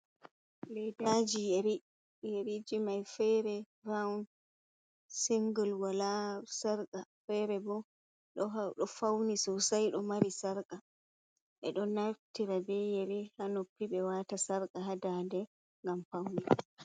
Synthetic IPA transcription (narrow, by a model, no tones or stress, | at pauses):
lɛdad͡ʒijeɾi | jeɾid͡ʒimajfɛɾɛ | ɾaun | siŋɡəlwalasaɾkafɛɾɛbɔ | ɗɔɗɔfawnisɔsajɗɔmaɾisaɾka | ʔɛ̰ɗɔnaɾtiɾabɛjeɾihanopːiɓɛwatasaɾkaɦadadɛ | ŋɡamfawni